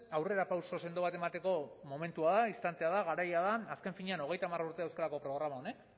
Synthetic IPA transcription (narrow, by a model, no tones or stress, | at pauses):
awre̞ɾapawso̞se̞nd̪o̞βat̪e̞mat̪e̞ko̞mo̞me̞nt̪uaðaist̪ant̪eaðaɣaɾajaðaːske̞ɱfiɲeano̞ɣ̞e̞jt̪amaruɾt̪e̞ewskalako̞pɾo̞ɣ̞ɾamao̞ne̞k